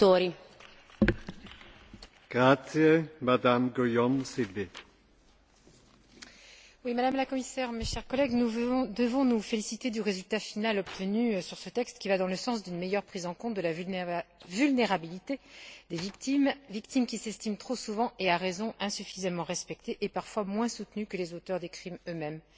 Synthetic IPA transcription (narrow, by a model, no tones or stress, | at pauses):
t̪oɾi | ɡ̥ʁat̪sjemad̪amɡojɔmselve | wimad̪amlakɔmisɛʁmeʃɛʁkɔlɛɡnũd̪əvɔ̃nufelisit̪ed̪yʁezylt̪afinalɔp̚t̪ʰənysyʁsət̪ɛkst̪kʲivad̪ɑ̃ləsɑ̃s̬d̪ynmejœʁpχizɑ̃kɔ̃t̪̚d̪əlav | vylneʁabilit̪ed̪evikt̪imvik̚t̪imkʲisɛst̪imt̪χosuvɑ̃ʔeaʁezɔ̃ʔɛ̃syfizamɑ̃ʁɛspɛk̚t̪eʔːpaʁfwamwɛ̃sut̪nykəlezot̪œʁd̪ekχimømɛm